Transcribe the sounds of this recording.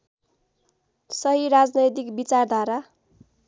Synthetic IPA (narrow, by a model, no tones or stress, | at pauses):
sʌɦiɾad͡znʌjt̪ikbit͡sard̪ʱaɾa